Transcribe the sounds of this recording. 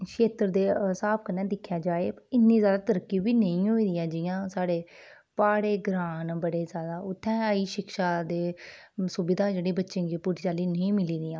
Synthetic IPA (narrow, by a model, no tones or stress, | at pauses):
ʃeːt̪ɾd̪eːsaːb̚kənɛ̃ːd̪ɪkʰːjaːd͡ʒaːeːɪnːiːzjaːd̪aːt̪əɾəkːiːbiːnəĩːɦoːiːd̪ɪjãːd͡ʒɪjãːsaːɽeː | paːɽeːɡɾaːnbəɽeːzjaːd̪aːʊt̪ʰːɛ̃ːəiːʃɪkʃaːd̪eː | sʊbɪd̪aːd͡ʒeːɽeːbətːʃẽːd͡ʒiːpʊʈt͡ʃaːliːnəĩːmɪliːd̪ɪjãː